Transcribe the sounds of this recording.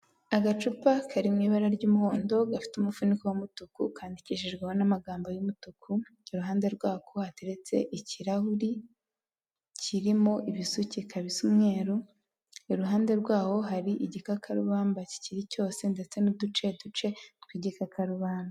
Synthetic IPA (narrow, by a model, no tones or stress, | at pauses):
aɡat͡ʃupakʰaɾimŋiːβaɾaɾɟuːmuho̞ːndo̞ɡafi̥tumufunikuwamutukukʰaːndiciʒeʒɡweho̞namaɡaːmbo̞jumutukuiɾuɦaːnde̞ɾɡwaːkʰohateɾet͡se̞̰ʔiciɾahuɾi | ciɾimo̞ʔiβisucikʰaβisumŋe̞ːɾu | iɾuɦaːnde̞ɾɡwaːho̞ɦaɾiʔiɟikakʰaɾuβaːmbaci̥ciɾico̞ːse̞nde̞t͡se̞nudut͡ʃe̞dut͡ʃe̞tkwiɟikakʰaɾuβaːmba